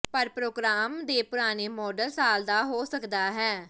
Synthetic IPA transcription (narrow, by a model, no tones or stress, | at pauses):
pəɾpɾoːɡɾaːmd̪eːpʊɾaːneːmɔːɖəlsaːld̪aːɦoːsəkd̪aːɦɛː